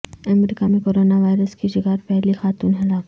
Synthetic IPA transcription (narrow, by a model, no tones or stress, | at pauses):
ɐmɾiːkamẽkoːɾoːnaʋaːɪɾəskiʃɪɡaːɾpɛɦlixaːt̪uːnɦɪlaːf